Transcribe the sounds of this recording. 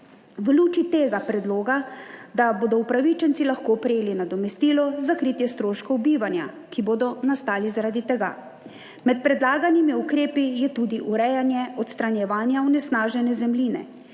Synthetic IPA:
ʋluːt͡ʃit̪eːɡapɾɛd̪loːɡad̪aboːd̪ɔupɾaʋit͡ʃɛnt̪ilaxkoːpɾɛjeːlinad̪ɔmɛst̪iːlɔzakɾiːt̪jɛst̪ɾoːʃkɔwbiːʋanja̰ | kiboːd̪ɔnast̪aːlizaɾaːd̪it̪ɛɡa̰ | mɛt̪̚pɾɛd̪laːɡanimiukɾeːpijɛt̪ud̪iʔuɾɛjanjɛɔt̪st̪ɾanjɛʋaːnjawnɛsnaːʒɛnɛzɛmliːnɛ̰

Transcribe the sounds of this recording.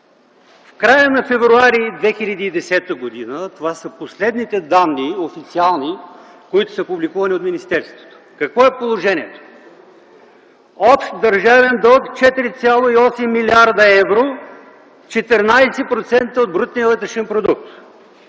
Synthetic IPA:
fkɾajənɐfɛvɾuaɾid̪vɛxilʲɐd̪iːd̪ɛsɛt̪əɡod̪inət̪ovasəposlɛd̪nit̪ɛd̪anːiofit̪sialˠni | koit̪ʊ̥səpublikuvɐnʲiot̪minist̪ɛɾst̪vo̥t̪o̥kɐkvɔɛpolˠoʒɛnʲiɛt̪o̥ | ɔpʃt̪d̪ɐɾʒavɛnd̪ɔkt͡ʃɛt̪iɾit̪sʲjalˠoiɔsɛmːiliaɾd̪əɛvɾo | t͡ʃɛt̪ɛɾnajsɛpɾot̪sɛnt̪əod̪̚bɾut̪̚nʲiəlˠɛt̪ɾɛʃɛnpɾod̪uk̚t̪

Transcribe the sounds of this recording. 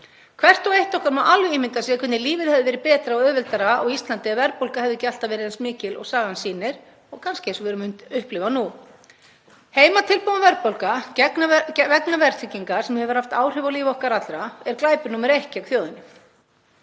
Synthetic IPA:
kʰv̥ɛr̥t̪ɔɣejht̪ɔhkaɾnɔʔalvɪiːmɪnt̪asiːakʰʏnːɪliːvɪðhɛvðɪvɛːɾɪpɛːt̪ɾaɔɣœːvɪlt̪aɾaɔɣist̪lant̪ɪavɛɾpowlkahɛvðʏcal̥t̪avɛːɾɪðɛnsmɪːcɪlɔ̰ɣsaːɣansiːnɪɾ̥ | ɔɣkʰanscɪɛnsɔvɛɾʏmʏnt̪ʏhplɪvanu | heːjmat̪ʰɪlpowðavɛɾpowlkaɛknvɛknavɛɾ̥t̪ʰɪcːiŋkasɛmhɛvʏɾ̥haft̪aːwr̥ɪvaliːvɔhkaɾat̪lɾaɛɾklaːjpʏɾnuːmɪɾehcɪawkθjoːwðɪnɪ

